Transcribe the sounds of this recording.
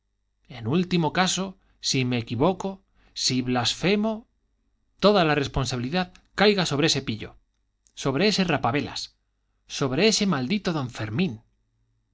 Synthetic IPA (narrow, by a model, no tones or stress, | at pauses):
e̞nult̪imo̞kaso̞ | sime̞ːkiβo̞ko̞ | siβlasfe̞mo | t̪o̞ðalare̞spo̞nsaβiliðaðkajɣaso̞β̞ɾeese̞piʎo̞̰ | so̞β̞ɾe̞e̞se̞rapaβe̞la̰s | so̞βɾe̞e̞se̞mald̪it̪o̞ðo̞ɱfe̞ɾmĩn